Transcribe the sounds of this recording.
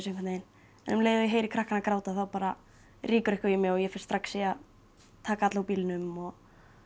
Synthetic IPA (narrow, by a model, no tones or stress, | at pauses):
s̬eŋkʰanejɪn | ɛnʏmleːjðʏjɛɦeːjɾɪkʰɾahkanakɾaːwt̪aθawpaːɾa | rʔiːkʏɾɪhkavimjɛɣɔjɛfɪn̥st̪ɾaksːia | t̪ʰaːkaat̪laupiːlnʏmɔɣ